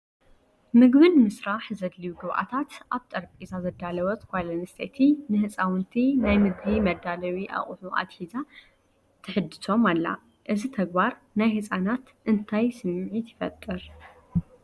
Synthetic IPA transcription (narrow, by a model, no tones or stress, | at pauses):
mɨɡβɨnmɨsɾaħzɐd̪lijuɡɨβʔa̰t̪ʰat̪ʔaβt̪ʼɐɾpʼizazɐd̪alɐwɐt̪kʰʷajlɐnɨst̪ʰḛt̪ʰinɨhɨsʼawɨnt̪ʰinajmɨɡbimɐd̪alɐwiʔa̰χʼħuʔa̰d̪ħiza | t̪ʰɨħɨd̪ɨso̞malːa̰ | ʔɨzit̪ʰɐɡ̚baɾ | najhɨsʼanat̪ | ʔɨnt̪ʰajsɨmʕit̪jɪfɐ̰t̪ʼːɨɾ